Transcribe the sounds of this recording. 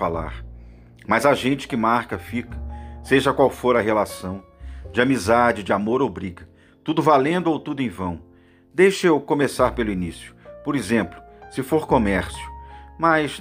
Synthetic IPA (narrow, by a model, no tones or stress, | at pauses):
ala̰ɾ | mɐzaʒẽnt͡ʃɪ̥kɪmaɾkɐfikɐ̥seʒɐkwawfoɾɐɦelasɐ̃w̃ | d͡ʒɪamizad͡ʒɪd͡ʒɪamoɾowbɾiɡɐ | t̪ud̪ʊvalẽnd̪ʊowt̪ud̪ʊẽj̃vɐ̃w̃ | d̪ejʃewkõmesaɾpelʊinisjʊ̥poɾezẽmplʊsɪfoɾkomɛɾsjʊmɐjs